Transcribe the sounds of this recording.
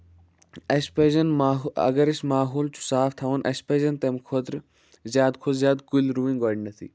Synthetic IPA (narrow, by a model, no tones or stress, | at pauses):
ɐspeːzɐnmaːɦɐ̰ɡɐɾɐʃmaːɦuːlt͡ʃu̥saːft̪ʰɐʋɐnʔɐ̰speːzɐnt̪emkʰoːt̪ɾ | zʲjaːd̪kʰozzjaːd̪kulɾuːĩŋɡoːɖnɐt̪ʰḭ